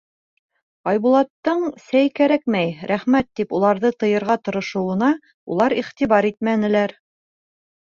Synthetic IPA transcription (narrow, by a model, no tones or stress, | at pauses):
ɑjβulˠɑt̪ːɤɴsæjkæɾæk̚mæjɾʔæχmæt̪ːipulˠɑɾðɤt̪ɤ̆jɤ̆ɾʁɑt̪ŏɾɤ̆ʃɤ̆wɤ̆nɑ | ṵlˠɑɾiχt̪iβɑɾit̪̚mænɘ̆læɾ